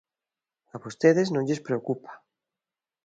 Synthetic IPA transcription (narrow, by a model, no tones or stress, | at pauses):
aβost̪eðeznõŋʎespɾeokupḁ